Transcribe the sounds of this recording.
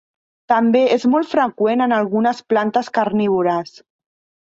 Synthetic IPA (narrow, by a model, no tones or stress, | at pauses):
t̪əmbeʔezmɔlˠt̪fɾəkwenənalˠɣunəsplant̪əskaɾniβ̞uɾas